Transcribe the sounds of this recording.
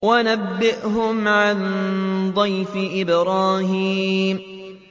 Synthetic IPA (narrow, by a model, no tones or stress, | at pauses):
wanabːɪʔhʊmʕand̪ˤɑjfɪʔɪbɾˤɑːɦiːm